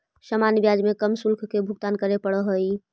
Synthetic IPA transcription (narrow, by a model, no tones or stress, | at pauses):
səmanbjad͡ʒmekəmsulkʰkebʱuɡ̚t̪ankəɾepəɽəɦəj